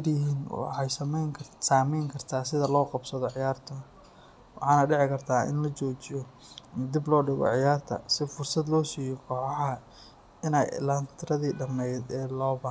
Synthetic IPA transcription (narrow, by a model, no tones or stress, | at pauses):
rjɪɦiːnwɑ̰ħɑjsɐmɛjʰsaːmɛjŋkʰɐrt̪ʰaːsɪðɐlɔːqɑbsɐðɔʕɪjaːrt̪ʰɐ | wɑħɑːnɐɖɪʕɪkʰɐrt̪ʰaːʔɪ̰nlɐt͡ʃɔːt͡ʃɪjɔ | d̪iblɔːɖɪɣɔ̰ʕɪjaːrt̪ʰɐ̰sɪfʊrsɐd̪lɔːsiːjɔkʰɔːħɑħɐ | ɪnɛ̰jlɐnt̪ʰɾɐðiːɖɐmɛjdɛːlɔːbɐ